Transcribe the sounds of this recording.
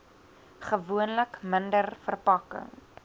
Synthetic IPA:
χəvuənləkməndərfərpɐkə̰ŋ

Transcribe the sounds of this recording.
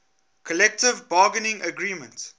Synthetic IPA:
kʰɔlɛk̚tɪvbɑːɡənɪ̃ŋʔəɡɹiːmə̃nt

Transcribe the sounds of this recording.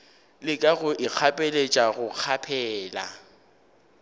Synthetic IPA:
lɪkʼaɣʊʔɪk͡xʰapʼelet͡ʃʼaɣʊq͡χʰapʰɛːla̰

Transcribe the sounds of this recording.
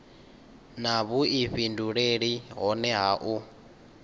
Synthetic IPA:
naβuiɸinduɺeɺiɦɔnɛɦaʔu

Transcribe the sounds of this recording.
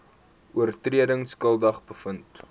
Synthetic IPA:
uərtriədəŋskəlˠdɐχbəfənt

